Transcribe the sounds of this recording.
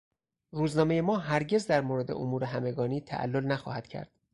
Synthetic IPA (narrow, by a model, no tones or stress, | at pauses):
ruːznɒːme̞je̞mɒːɦæɾɟe̞zd̪æɾmoːɾe̞d̪eʔomuːɾe̞ɦæme̞ɡɒːniːt̪ʰæ̰ʔæ̰lːolnæxɒ̰ːhæd̪̥cʰæ̰ɾd̪̥